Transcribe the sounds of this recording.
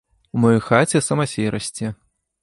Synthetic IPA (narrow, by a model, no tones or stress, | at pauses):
umɔjɔjxat͡sʲɛsɐmɐsʲiɾɐsʲt͡sʲɛ